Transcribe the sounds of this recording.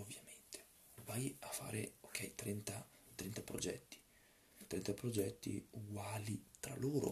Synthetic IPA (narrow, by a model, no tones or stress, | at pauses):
ovːjament̪e̥ | vajafːa̰ːɾḛok̟ʰːɛjt̪ɾɛnt̪at̪ɾɛnt̪apɾod͡ʒɛ̰t̪ːi̥ | t̪ɾɛnt̪apɾod͡ʒɛt̪ːḭuɡwaːlit̪ɾa̰loːɾo̰